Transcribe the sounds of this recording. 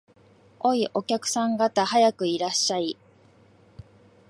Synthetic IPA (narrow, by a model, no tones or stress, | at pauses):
o̞iʔo̞kʲakɯ̟̥sãŋɡat̪ahajakɯ̟iɾaɕːai